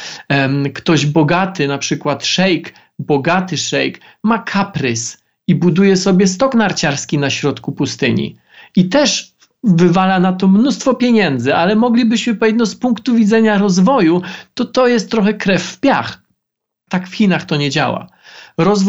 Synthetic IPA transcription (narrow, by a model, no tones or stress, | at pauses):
kt̪ɔʑbɔɡat̪ɘnapʂɘkwat̪ʂɛjk | bɔɡat̪ɘʂɛjk | makʰapɾɘs | ibud̪ujɛsɔbʲjɛst̪ɔknaɾt͡ɕaɾskʲinaɕɾɔt̪kupust̪ɘɲḭ | it̪ɛʂ | vɘvalanat̪ɔmnust̪fɔpʲjeɲɛnd̪zɘʔalɛmɔɡlʲibɘɕmɘpɔjɛd̪nɔspuŋkt̪uvʲid̪zɛɲaɾɔzvɔjut̪ɔt̪ɔjɛst̪ːɾɔxɛkɾɛfːpʲjax | t̪akfxʲinaxt̪ɔɲɛd͡ʑa̰wa̰ | ɾɔzv